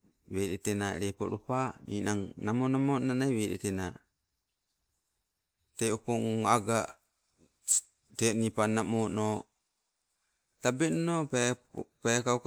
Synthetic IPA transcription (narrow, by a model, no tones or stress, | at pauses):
weɗetena̰ɾepo̰ɾupanḭnaŋnamonamonanajweɗḛtena | teupoŋaɡa | tenipanamono | tabenoppekak